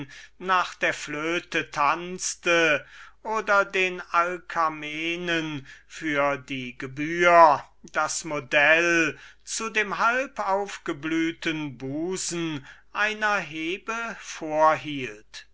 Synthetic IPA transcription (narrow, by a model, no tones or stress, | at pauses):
naːχd̥eːɐfløːtətʰant͡stəʔoːdɐdeːnalkʰameːnənfyːɐdiːɡəbyːɐ | d̥asmodɛlt͡sudeːmɦalpaʊfɡ̥əblyːtənbuːzn̩ʔaɪnɐɦeːbəfoːɐɦiːlt